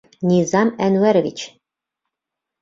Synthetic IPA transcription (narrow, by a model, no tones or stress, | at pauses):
nʲizɑmænwæɾvʲḭt͡ɕ